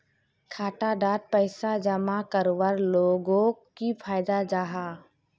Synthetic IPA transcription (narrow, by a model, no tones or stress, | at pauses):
kʰaːʈaɖaːt̪̚pəɪsad͡ʒəmakəɾwəɾloːɡõkipʰaːɪd̪ad͡ʒaːɦaː